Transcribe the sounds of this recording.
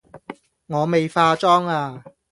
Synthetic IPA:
ŋɔː˨˧me˨jfaː˧t͡ʃɔː˥ŋaː˧

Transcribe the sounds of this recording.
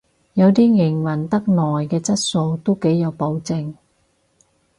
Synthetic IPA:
jɐ˨˧wt̪iː˥ŋɪ˨˩ŋwɐ˨˩nt̪ɐ˥k̚nɔː˨jkɛː˧t͡sɐ˥t̚so˧wt̪o˥wke˨˥jɐ˨˧wpo˨˥wt͡sɪ˧ŋ

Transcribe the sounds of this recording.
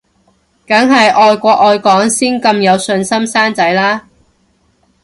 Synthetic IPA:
kɐ˨˥ŋɦɐ˨jʔɔː˨jkʷɔː˧k̚ɔː˧jkɔː˨˥ŋsiː˥nkɐ˧mjɐ˨˧wsɵ˧nsɐ˥msaː˥nt͡sɐ˨˥jlaː˥

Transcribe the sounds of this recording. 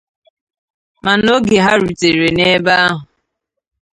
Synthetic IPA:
ma˨no˦ɡe˨ɦa˦ɾu˨te˨ɾe˨ne˦ba˦a˦ɦʊ˨

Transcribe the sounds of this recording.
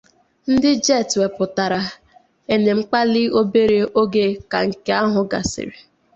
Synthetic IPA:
n̩˦dɪ˦d͡ʒɛ˦˨twe˨pʊ˨ta˨ɾa˨ | e˦ne˨ŋ͡m̩˦k͡pa˦lɪ˦o˦be˦ɾe˦ʔo˦ɡe˦ka˨ŋ̩˨ke˦a˦ɦʊ˨ɡa̰˨sɪ̰˨ɾe˨

